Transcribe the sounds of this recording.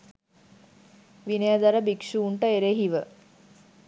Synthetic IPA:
ʋinəjəd̪ɐɾəbikʃuːɳʈəeɾeɦiʋə

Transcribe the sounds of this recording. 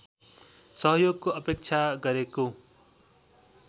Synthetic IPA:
sʌɦʌjoɡkoʌpek̚t͡sʰaɡʌɾeko

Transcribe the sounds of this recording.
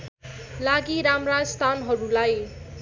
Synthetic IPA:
laɡiɾamrad͡zst̪ʰanɦʌɾulaj

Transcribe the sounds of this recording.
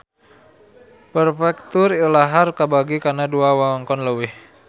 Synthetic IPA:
pərfɛk̚t̪ʊrilaɦarkabaɡikanaduawaɔŋkɔnləwɪh

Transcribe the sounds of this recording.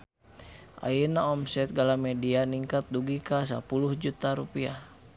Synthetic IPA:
ʔa̰jənaɔmsɛt̪̚ɡalamɛdianiŋkat̪̚duɡikas̬a̰puluhd͡ʒut̪aɾupia

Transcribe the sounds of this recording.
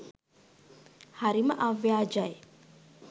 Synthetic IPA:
haɾiməʔaʋjaːd͡ʒaj

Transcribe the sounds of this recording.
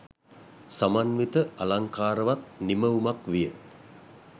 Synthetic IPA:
samanʋit̪əalaŋkaːɾəʋat̪̚niməumakʋijə

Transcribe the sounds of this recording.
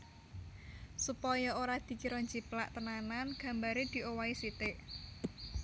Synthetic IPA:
supɔjɔoɾad̪̥i̤kiɾɔɲd͡ʒiplaʔt̪ənananɡ̥ä̤mbaɾed̪̥i̤ʔowaisit̪ɪʔ

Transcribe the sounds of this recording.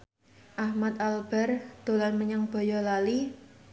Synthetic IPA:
ʔahmat̪̚alb̥ɛ̤rd̪̥o̤lanməɲaŋb̥ɔ̤jɔlali

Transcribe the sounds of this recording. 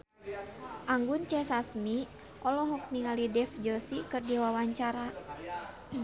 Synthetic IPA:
ʔaŋɡunt͡ʃɛsasmi | ʔɔlɔɦɔk̚niŋalidɛfd͡ʒɔsikɨrdiwawaɲt͡ʃaɾa

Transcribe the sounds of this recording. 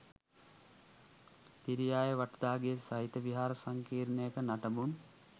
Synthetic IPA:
t̪iɾijaːjəʋaʈəd̪aːɡesaɦit̪əʋiɦaːɾəsaŋkiːɾnəjəkənaʈəmun

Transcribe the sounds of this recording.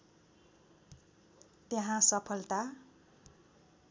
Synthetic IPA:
t̪jeɦãsʌpʰʌlt̪a

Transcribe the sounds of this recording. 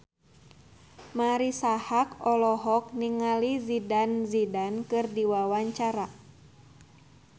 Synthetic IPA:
maɾisahakɔlɔɦɔk̚niŋalizidanzidankɨrdiwawaɲt͡ʃaɾa

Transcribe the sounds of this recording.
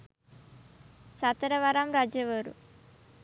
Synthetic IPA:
sɐt̪ɐɾɐʋaɾaːmɾaːd͡ʒeʋɐɾṵ

